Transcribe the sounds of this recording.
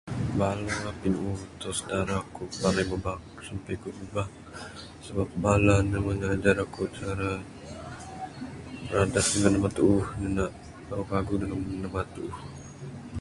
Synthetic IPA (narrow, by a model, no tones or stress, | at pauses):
balapinut̪osə̥daɾakupalajməbak | sampajkubəbaŋ | səbap̚balanaŋəŋad͡ʒaɾakut͡ʃaɾa | bəɾadasdəŋanamat̪uuhdənaʔ | okaɡudəŋamənamat̪uuh